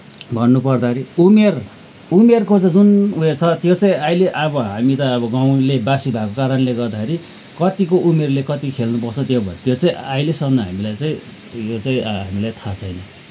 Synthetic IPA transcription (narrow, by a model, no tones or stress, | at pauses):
bʱʌnːupʌrd̪aeɾiumer | umerkot͡sʌd͡zunumert͡sʰʌt̪jot͡saĩajleʔʌβʌɦamit̪ʌːbʌɡaw̃lebasibʱakokaɾʌnleɡʌrd̪akʰeɾi | kʌt̪ikoʔumerlekʌt̪ikʰelnupʌrt͡sʰʌt̪jobʱʌnt̪jot͡saĩajlesʌnʌɦamilajt͡saĩ | jot͡saĩɦamilajt̪ʰat͡sʰʌjnʌ